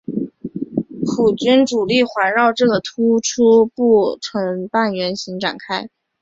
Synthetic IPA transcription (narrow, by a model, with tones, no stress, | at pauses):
pʰu˨˩t͡ɕy˥nʈ͡ʂu˨˩li˥˩xwa˧˥nɻɑ˥˧ʊʈ͡ʂɤ˥˩ɡə˩t̪ʰu˥ʈ͡ʂʰu˥pu˥˩ʈ͡ʂʰɤ˧˥ŋpa˥˩nɥɛ˧˥nɕi˧˥ŋʈ͡ʂa̰˨˩nkʰa˥ɪ